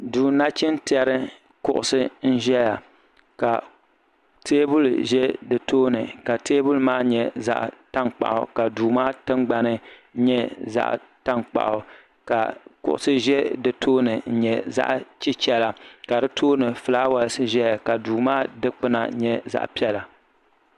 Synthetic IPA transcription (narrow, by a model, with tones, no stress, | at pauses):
duː˨na˦t͡ʃɪ˦n˦tɛ˦ɾɨ˦ | kʊ˨ʔʊ̰˨sɨ˦n̩˦ʒɛ˦ja˨ | ka˨ | teː˦bʊ˦lʒɛ˦dɨ˨toː˦nɨ˨ka˨tʰeː˦bʊ˦lmaː˦ɲɛ˦za̰˦ʔta˦ŋk͡pa̰˨ʔʊ̰˨ka˨duː˨maː˦tɨ˦ŋɡ͡ba˨nɨ˦ɲɛ˦za̰˦ʔ | ta˦nk͡pa̰˨ʔʊ˨ | ka̰˨kʊ̰˨ʔʊ̰˨sɨ˦ʒɛ˦dɨ˨tʰoː˦nɨ˨n̩˦ɲɛ˦za̰˦ʔt͡ʃi˦t͡ʃɛ˦la˨ka˨dɨ˦tʰoː˦nɨ˨fɨ˨laː˦wa˨lsɨ˦ʒɛ˦ja˨ka˨duː˨maː˦dɨ˦k͡pɨ˦na̰˨ɲɛ˦za̰˦ʔpi˦ɛ˦la˨